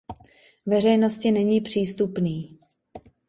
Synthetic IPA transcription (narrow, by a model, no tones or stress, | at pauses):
vɛr̝ɛjno̞scɪnɛɲiːpr̝̥iːst̪upniː